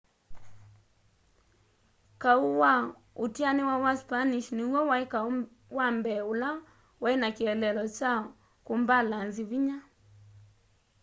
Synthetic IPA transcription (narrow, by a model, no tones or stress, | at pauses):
kauwa | utianiwawaspaniʃniwɔwaika | wambɛula | wainakiɛlɛlɔt͡ʃa | kumbalanziviɲa